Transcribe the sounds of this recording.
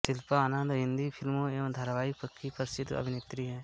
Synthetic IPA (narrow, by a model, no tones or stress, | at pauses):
sɪlpaaːnə̃nd̪ɦɪ̃nd̪ipʰɪlmõeːʋɐ̃md̪ʱəɾʋaːɪkpəkʰːipɐɾsɪd̪ʱɐ̰bʱɪnɪt̪ɾiɦɛː